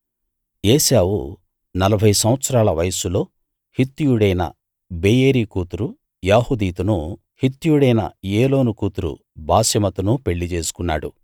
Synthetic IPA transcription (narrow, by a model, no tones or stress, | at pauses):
jeːsaːwṵ | nɐlɐbʱɐjsɐmʋɐt̪sɐɾaːlɐʋɐjɐsulo̞ː | hit̪ːijuɽɐjnɐ̰ | beːjeːɾiːkuːt̪uɾu | jaːhud̪iːt̪unu | hit̪ːujuɽɐjnɐ̰jeːlo̞ːnukuːt̪uɾṵ | bʱaːsɐmɐt̪unupe̞ɭːit͡ʃe̞ːsu̥kunːa̰ːɽṵ